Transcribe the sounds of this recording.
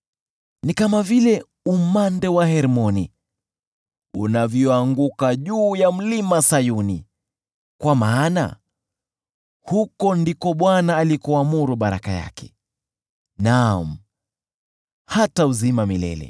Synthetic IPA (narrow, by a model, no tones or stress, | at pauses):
nikamavilɛ | umandɛwahɛɾmɔni | unavjɔaŋɡukaʄuːjam̩limasajuni | kwamaːna̰ | hukɔndikɔɓwanaːlikɔamuɾuɓaɾa̰kaja̰kʰɛ̥̰ | nam̩ | hatauzimamilɛ̰lɛ̰